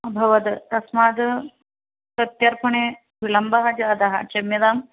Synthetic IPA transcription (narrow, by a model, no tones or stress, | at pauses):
ɐbʱɐʋɐd̪t̪ɐsmaːd̪ | sɐt̪jɐɾpʰɐɳe | ʋilɐmbɐɦɐd͡ʒaːd̪ɐɦɐ̰t͡ʃɐmjɐd̪aːm